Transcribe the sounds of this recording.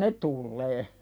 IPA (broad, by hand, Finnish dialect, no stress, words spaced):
ne tulːeː